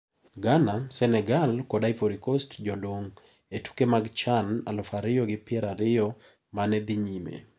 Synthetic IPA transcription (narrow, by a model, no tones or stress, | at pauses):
ɡanasɛnɛɡalkɔdajfoɾikostd͡ʒɔdoŋ | etu̥kemaɡt͡ʃanalɔfaɾɪjɔɡɪpɪɛɾaɾɪjɔ | manɛd̪ɪɲimḛ